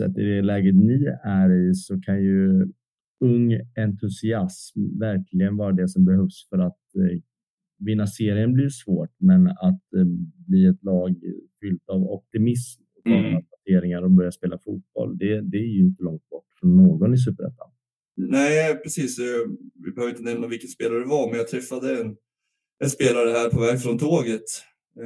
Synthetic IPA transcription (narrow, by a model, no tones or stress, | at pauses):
sɛ̰t̪ːɪ̰d̪ɛlɛːɡət̪nɪæɾɪsɔkʰanjɵ | ɵŋːɛnt̪ʰɵsɪasmvæɾkʰlɪɡənvɑːɾad̪ɛsɔmbɛhœvsfœɾat̪ | vɪnːaseːɾɪənbliɾsvoːʈmɛnat̪bliːɛt̪lɑːɡfʏlt̪avɔ̰p̚t̪ɪmɪs | t̪ʰɑ̰ːɡənapaʈʰeːɾɪŋaɾɔbœɾjaspeːlafuːt̪̚b̥ɔ̰ld̪ɛd̪ɛːɾjɵɪnt̪əlɔŋt̪̚bɔʈːfɾɔnːoːɡɔnɪs̬ʉːpəɾɛ̰t̪ːa̰n | næɪpʰɾɛsiːsɔvɪ̰bhøvɾɪnt̪ənɛmnavɪlkənspeːlaɾəɖɛvaɾmɛnjat̪ʰɾɛfːad̪əɛn | ʔɛnspeːlaɾəɦæːɾpʰɔvɛːɡfɾɔnt̪ʰoːɡət̪